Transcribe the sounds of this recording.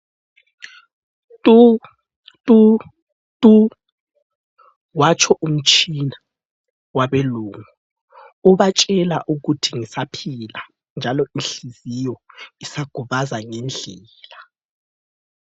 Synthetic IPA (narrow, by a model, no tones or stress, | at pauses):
tʼu | tʼu | tʼu | wat͡ʃʰɔʔum̩t͡ʃʰʼina | waβeluːŋu | uβat͡ʃʼɛlaʔuɣutʰiŋisapʰila | nd͡ʒʱalɔinɬizijɔisaɡ̥ʱuβazaŋɛnd͡ɮʱɛːla